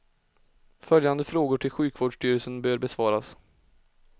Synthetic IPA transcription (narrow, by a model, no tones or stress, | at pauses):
fœljand̪əfɾoːɡʊʈʰɪlɧʉ̟ːkʰvoːɖʂʈyːɾəlsənbøːɾbɛsvɑːɾas